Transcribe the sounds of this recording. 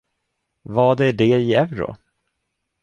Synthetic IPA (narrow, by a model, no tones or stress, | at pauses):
vɑːd̪æɖɛɪɛvɾʊ̰